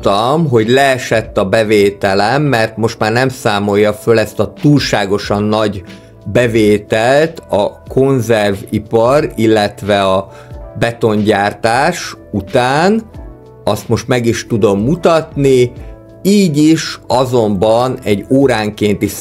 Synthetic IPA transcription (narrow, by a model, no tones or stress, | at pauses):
t̪ɒmɦo̞ɟlɛɛʃɛt̪ːɒbɛveːt̪ɛlɛmːɛrt̪mo̞ʃt̪maːrnɛmsaːmo̞jːɒfølɛst̪ɒt̪uːlʃaːɡo̞ʃɒnːɒɟ | bɛveːt̪ɛlt̪ɒkʰo̞nzɛrvipɒrilːɛt̪vɛɒ | bɛt̪o̞ɲɟaːrt̪aːʃut̪aːn | ɒst̪mo̞ʃt̪mɛɡiʃt̪ud̪o̞mːut̪ɒt̪ni | iːɟiʃɒzo̞mbɒnɛɟːoːɾaːŋkeːnt̪iʃ